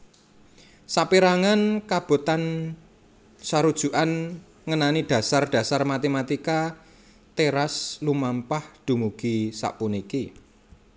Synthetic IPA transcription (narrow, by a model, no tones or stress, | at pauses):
saʔpiɾaŋankab̥o̤t̪an | saɾud̥ʒ̥ṳʔan | ŋənanid̥ä̤sard̪̥ä̤sarmat̪emat̪ika | t̪eɾaslumampahd̪̥ṳmuɡ̥isa̰ʔpuniki